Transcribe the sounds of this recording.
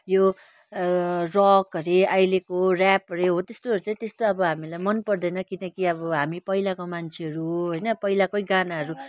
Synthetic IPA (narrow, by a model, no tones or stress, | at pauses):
jo | rɔkʌɾeajlekorapʌɾeɦot̪est̪oʌɾut͡saĩt̪est̪oʌbʌɦamilajmʌnpʌrd̪ʌjnʌkinʌkiʌβʌɦamipʌɦilakomant͡sʰeɦʌɾuɦojnʌpʌɦilakojɡanaɦʌɾu